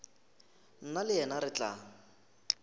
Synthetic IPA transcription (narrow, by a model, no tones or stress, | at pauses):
n̩nalɪɛnaɾɪt͡ɬʼaːŋ̩